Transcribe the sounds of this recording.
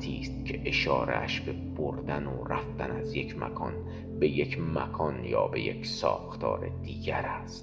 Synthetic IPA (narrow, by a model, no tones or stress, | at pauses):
t̪ʰiːst̪cʰeʔeʃɒːɾʔḛʔæʃbe̞b̥oɾd̪ænoræft̪ænæzje̞cʰmæ̰kʰɒːn | be̞jekʰmækʰɒnjɒːbeje̞csɒːxt̪ʰɒ̰ːɾe̞d̪iːɡæɾæst̪